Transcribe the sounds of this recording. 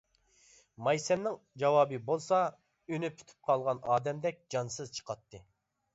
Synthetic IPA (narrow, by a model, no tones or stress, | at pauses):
mɑjsɛmnɪŋ | d͡ʒɑwɑːbɨbolˠsɑ | ynypʰy̥t̪ʰy̥p̚qʰɑlˠʁɑnɑːd̪ɛmd̪ɛk̚ʲd͡ʒɑnsɨzt͡ʃʰə̥qʰɑt̪ːɨ